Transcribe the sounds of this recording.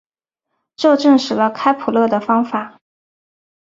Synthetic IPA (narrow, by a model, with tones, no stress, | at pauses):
ʈ͡ʂɤ˥˧ʈ͡ʂɤ˥˩ŋʂɻ̩˨˩lə˧kʰa˥ɪpʰu˨˩lɤ˥˩d̪ə˩fɑ˥ŋfa˨˩˦